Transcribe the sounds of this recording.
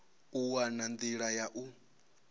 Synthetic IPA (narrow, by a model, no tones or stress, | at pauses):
uwanand̪iɺajaʔu